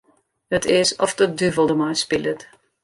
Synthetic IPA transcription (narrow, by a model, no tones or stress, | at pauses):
hətʰɪsɔfdədyvəlˠdəmajspɪlət